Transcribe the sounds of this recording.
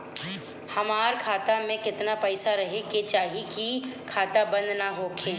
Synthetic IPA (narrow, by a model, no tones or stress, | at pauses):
hɐmaːɾkʰaːt̪amẽkɪt̪napɛɪsaɾɐɦeket͡ʃaːɦikikʰaːt̪abɐ̃nd̪naɦoːkʰeː